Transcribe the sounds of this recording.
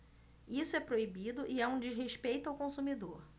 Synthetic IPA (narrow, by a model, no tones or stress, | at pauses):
isʊɛpɾoibid̪ʊʔɪɛũd͡ʒɪzɦeʃpejt̪ʊawkõsumid̪oɾ